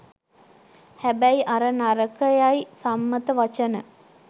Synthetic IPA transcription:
hæbæjiʔaɾənaɾəkəjajisamːət̪əʋat͡ʃənə

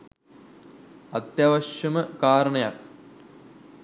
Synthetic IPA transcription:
ɐt̪jɐʋɐʃjɐmɐkaːɾɐɳɐjɐ̰k

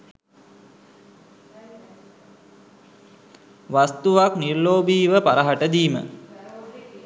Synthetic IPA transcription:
ʋast̪uʋaknirːoːbiːʋəpaɾəɦaʈəd̪iːmə̰

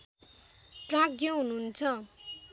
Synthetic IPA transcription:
ʈrãkjʌɦununt͡sʰʌ

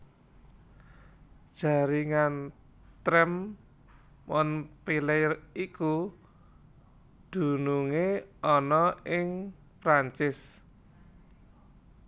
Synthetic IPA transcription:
d̥ʒ̥a̤ɾiŋan | t̪ɾɛm | wɔnpilɛjiku | d̪̥ṳnuŋeɔnɔɪŋ | pɾaɲt͡ʃɪs

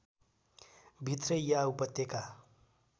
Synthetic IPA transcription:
bʱit̪rʌjaupʌt̪jeka

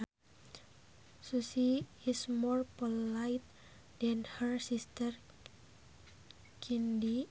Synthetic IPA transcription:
susiismɔrpolajt̪̚ | d̥ɛnhərsist̪ər | kʰindi

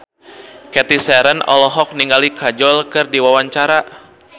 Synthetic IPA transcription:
kɛt̪isɛɾənɔ̰lɔɦɔk̚niŋɡalikʰad͡ʒɔlkɨrdiwawaɲt͡ʃaɾa

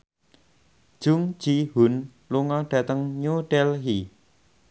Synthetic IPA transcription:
d̥ʒ̥ʊ̤ŋ̥d͡ʒ̥ihun | luŋɔɖ̥ä̤t̪əŋɲoɖ̥ɛlɦi

